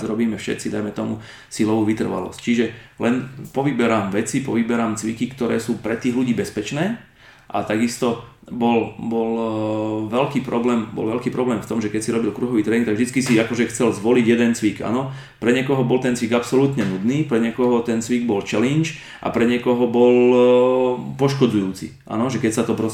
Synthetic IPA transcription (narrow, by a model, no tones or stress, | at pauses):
zɾɔbiːmɛfʃɛ̰t̪t͡sid̪ajmɛt̪ɔmu | silɔʋuːʋit̪r̩ʋa̰lɔ̰sct͡ʃiʒɛlɛnpɔʋibɛɾaːmʋɛt͡sipɔ̰ʋibɛɾaːmt͡sʋḭkikt̪ɔɾɛ̰ːsuːpɾɛt̪iːɣluɟiːbɛspɛt͡ʃnɛː | ʔa̰t̪aɡist̪ɔ | bɔlbɔl | ʋɛlkiːpɾɔblɛːmbɔ̰lʋɛlkiːpɾɔblɛːmft̪ɔmʒɛkɛcsiɾɔbilkɾuɦɔʋiːt̪ɾɛːiŋk̚t̪aɡvʒd̪it͡skisiakɔʒɛxt͡sɛlzʋɔliɟjɛd̪ɛnt͡sʋiɡa̰nɔ | pɾɛɲɪɛkɔɦɔbɔlt̪ɛnt͡sʋiɡapsɔlut̪ɲɛnud̪niːpɾɛɲɛkɔɦɔt̪ɛnt͡sʋiɡ̚bɔlt͡ʃɛlint͡ʃ | ʔa̰pɾɛɲɪɛkɔɦɔbɔl | pɔʃkɔd͡zujuːt͡sḭʔa̰nɔʒɛkɛcsat̪ɔpɾɔ